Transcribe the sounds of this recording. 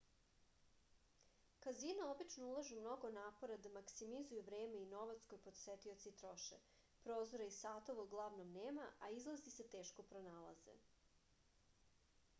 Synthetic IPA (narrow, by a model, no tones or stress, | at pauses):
kazinao̞bit͡ʃnoulˠaʒumno̞ɡonaːpo̞ɾad̪amaksimizujuʋɾe̞ːme̞ino̞ʋat̪skojpod̪set̪io̞t̪siit̪ɾo̞ʃḛ | pɾoːzoɾaisaːt̪oʋauɡlˠaʋnomneːmaʔaizlˠazise̞t̪e̞ːʃko̞pɾo̞naːlˠa̰zḛ